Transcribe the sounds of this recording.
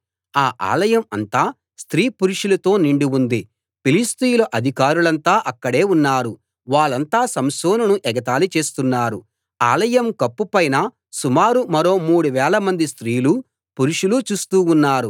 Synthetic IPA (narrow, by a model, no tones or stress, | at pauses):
aːʔa̰ːlɐjɐmɐnt̪aː | st̪ɾiːpuɾuʂulɐt̪o̞ːniɳɖiund̪i | pilist̪ijulɐʔɐd̪ʱikaːɾulɐnt̪aːʔɐkːɐɽe̞ːunːaːɾu | ʋaːɭɐnt̪aːsɐmsoːnunuʔɛɡɐt̪aːlit͡ʃe̞ːst̪unːaːɾu | a̰ːlɐjɐmkɐpːupɐjnɐ | sumaːɾumɐɾo̞ːmuːɽuʋɛːlɐmɐnd̪ist̪ɾiːlu | puɾuʂulut͡ʃuːst̪uːunːaːɾu